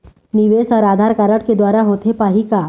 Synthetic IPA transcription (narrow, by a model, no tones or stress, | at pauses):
niʋesɔɾaːd̪ʱaɾkaɾəʈked̪waːɾaɦot̪ʰepaɦika